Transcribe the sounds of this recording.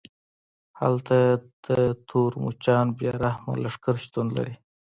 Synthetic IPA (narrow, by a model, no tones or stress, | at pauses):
ha̰lt̪ad̪̥ət̪ʰuːɾmṵt͡ʃɑːnbjɑɾahma̰laʂkəɾʃt̪unla̰ɾi